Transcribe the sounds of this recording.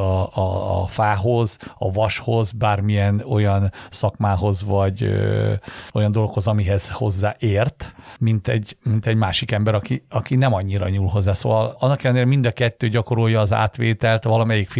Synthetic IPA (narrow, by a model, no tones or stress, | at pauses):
ɒɒ̰ːfaːɦo̞zɒ̰vɒʃho̞zbaːrmijɛno̞jɒnsɒkmaːɦo̞zvɒɟø̰ | o̞jɒnd̪o̞lɡokho̞zɒmiɦɛz̥ho̞zːaːʔeːrt̪mint̪ɛɟmint̪ɛɟmaːʃikɛmbɛɾɒkiɒkinɛmɒɲːiɾɒɲuːlɦo̞zːaːso̰ːʋɒlɒnːɒkɛlɛneːɾɛmind̪ɒkɛt̪ːøːɟɒko̞ɾo̞jːɒːza̰ːt̪ʋeːt̪ɛlt̪vɒlɒmɛjikfi